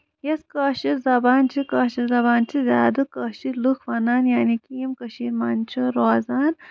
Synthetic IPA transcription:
jɐskɐːʃiɾzɐbaːnt͡ʃʰikaːʃizɐbaːnt͡ʃʰizʲja̰ːd̪ɨkɐːʃilukʰfɐnaːnjaːnikiːmkɐʃiːɾmaːnt͡ʃʰiɾoːzaːn

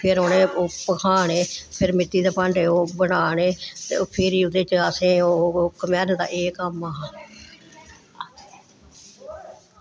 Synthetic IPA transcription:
pʰɪɾoːneːoːpəkʰaːɳeːpʰɪɾmɪt̪ːiːd̪aːpəɳɖeːoːbəɽaːɳeːt̪ḛːoːpʰeɾiːʊd̪eːt͡ʃəasẽːoːkəmɛːɾnd̪a̰ːʔeːkəmãː

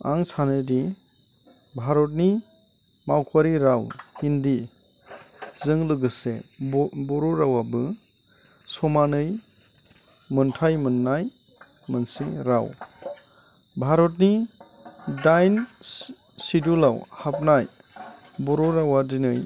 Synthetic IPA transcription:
a̰ŋsanɯdi | bʱaɾɔt̚ni | mawkʰaɾiɾawhindi | zɯŋlɯɡɯsḛ | bɔɾɔɾawabɯ | sɔmanɯj | mɯntʰajmɯnːaj | mɯnsiɾaw | bʱaɾɔt̬̚ni | dajn | sidulawhap̚naj | bɔɾɔɾawadinɯj

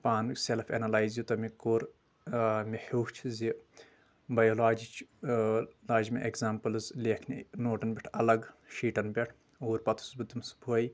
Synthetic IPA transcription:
paːnselfḛnɐlaːjzjut̪ɐmikoːɾ | mihuːht͡ʃʰzi | bɐjolaːd͡ʒit͡ʃʰ | laːd͡ʒimʲḭʔekzaːmpɨlzleːkʰnʲinoːʈɐnbʲiʈʰɐlɐɡʃiːʈɐnbʲeʈʰ | uːɾpɐt̪ʰu̥sbɨt̪umsbʱoːj

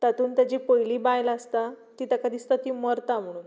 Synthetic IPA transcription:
t̪at̪uːnt̪jad͡ʑipəjliːbajlast̪at̪it̪akəd̪ʱiːst̪ət̪iːməɾt̪am̤əɽ̃uːn

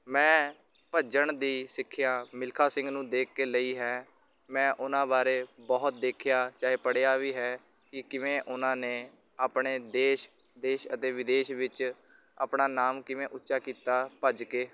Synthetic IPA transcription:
mɛ̃ː | pəd͡ʒəɳd̪iːsɪkʰːjaːmɪlkʰaːsɪ̃ŋɡnũːd̪eːkːeːləiːɦɛː | mɛ̃ːʔʊnãːbaːɾeːbɔːt̪̚d̪eːkʰɪjaːt͡ʃaːɦeːpəɽeaːʋiːɦɛː | kɪkɪʋẽːʔʊnãːneː | aːpɳeːd̪eːʃ | d̪eːʃət̪eːʋɪd̪eːʃʋɪt͡ʃ | a̰ːpɳaːnaːmkɪʋẽːʔʊtːʃaːkiːt̪aːpəd͡ʒkeː

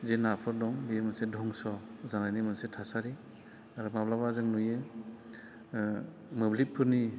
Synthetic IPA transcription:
zenapʰɯɾdɔŋbiemɯnsedʱɔŋsɔzanajnimɯnsetʰasaɾi | aɾɯmablabazɯŋnuje | mɯblit̚pʰːɯɾni

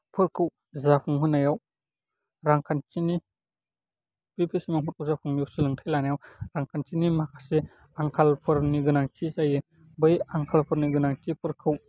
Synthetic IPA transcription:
pʰɯɾkʰɯw | zapʰuŋɦɯnajaw | ɾaŋkʰant͡ʃini | pipʰisimaŋpʰɯɾkʰuwzapʰuŋjawsilɯŋtʰajlanajawɾaŋkʰant͡ʃinimakʰḁse | aŋkʰalpʰɯɾniɡɯnaŋt͡ʃisajɯ | bɯjaŋkʰalpʰɯɾniɡɯnaŋtipʰɯɾkʰɯw

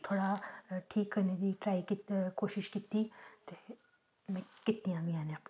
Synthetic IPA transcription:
t̪ʰoːɽaʈʰiːkːɐɾned̪iʈɾaːikikoːʃɪʃkiːt̪ːit̪e | mɛ̃kɪt̪nijãbʱiaːnẽɐp

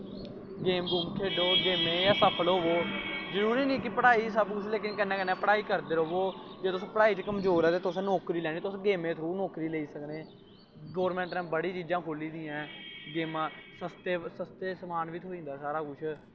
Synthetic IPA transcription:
ɡeːmɡuːmkʰeːɖoːɡeːmeːjaːsəpʰəlɦoːʋoːzəɾuːɾiːniːkɪpəɽaːiːsəbkʊt͡ʃʰleːkɪnkənːɛ̃ːkənẽːpəɽaːiːkəɾd̪eːɾoːʋoːd͡ʒeːt̪ʊsõːpəɽaːiːt͡ʃkəmzoːɾɛːt̪eːt̪ʊsɛ̃ːnoːkɾiːlɛːɳiːt̪ʊsːɡeːmẽːt̪ʰɾũːnoːkɾiːleːiːsəkneː | ɡɔːɾmɛ̃ːɳʈɾɛ̃ːbəɽiːt͡ʃiːd͡ʒãːkʰoːliːd̪iːãːɡeːmãːsəst̪eːsəst̪eːsəmaːnʋit̪ʰoːĩːnd̪aːsaːɾaːkʊt͡ʃʰ

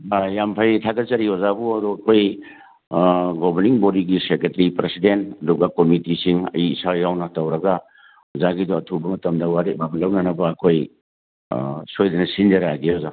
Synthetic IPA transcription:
ajampʰajtʰatɐt͡ʃɐɾiozabuɐdɔɐkʰoj | ɡɔbɐɾniŋbodiɡisekɾetɐɾipɾesidentduɡakomitisiŋɐ̰jiːsajawnɐtɐwɾɐɡa | ɔzaɡidɔɐtʰubɐmɐtɐmdɐwaɾetbabɐlɐwnanɐbɐːkʰoj | sojdɐnɐsind͡ʒɐɾaɡioza

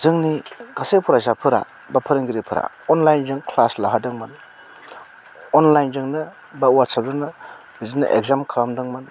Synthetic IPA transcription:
zɯŋnikasepʰuɾazapʰɯɾa̰ | bapʰɯɾɯŋɡiɾipʰɯɾa̰ | ɔnlajnzɯŋkʰlaslaɦadɯŋmɯn | ɔnlajnzɯŋnɯ | bawatsab̚dɯnɯ | bizinːɯ̰ʔḛɡzamkʰalamdɯŋmɯn

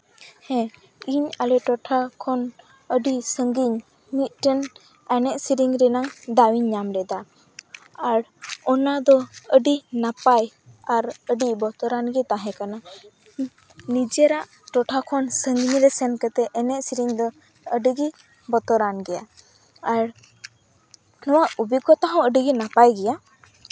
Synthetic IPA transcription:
hɛ̃ | iɲalɛʈɔʈʰakʰɔn | əɖisəŋɡiɲ | mit̪̚ʈɛn | ɛnɛʔsiɾiŋɾɛnaŋd̪awiɲːamɾɛd̪a | aɾɔnad̪ɔəɖinapaj | aɾəɖibɔt̪ɔɾanɡɛt̪aɦɛ̃kana | nid͡ʒɛɾaʔ | ʈɔʈʰakʰɔnsəŋɡniɾɛsɛnkət̪ɛɛnɛʔsiɾiŋd̪ɔ | əɖiɡi | bɔt̪ɔɾanɡɛja̰ | aɾ | nɔwaʔubikɔt̪aɦɔ̃əɖiɡinapajɡɛja

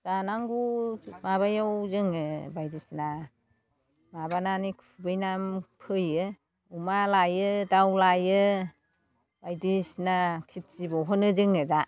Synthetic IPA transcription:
z̥anaŋɡumaβajawzɯŋɯbajdisna | mabananikʰubɯjnampʰɯjɯ | umalajɯdawlajɯ | b̥ajdisnakʰit̚t͡ʃibɔɦɔnɯzɯŋɯza

